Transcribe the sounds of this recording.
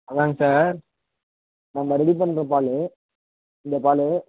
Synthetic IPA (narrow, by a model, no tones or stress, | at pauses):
ɐðaːŋɡɐsaːɾ | nɐmɐɾɛɽip̬ɐnːɾɐpaːle | ɪnd̪ɐpaːle